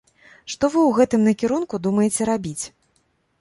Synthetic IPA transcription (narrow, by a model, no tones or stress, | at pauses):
ʂt̪ɔvɨwɣɛt̪ɨmnɐkʲiɾunkud̪umɐjɛt͡sʲɛɾabʲit͡sʲ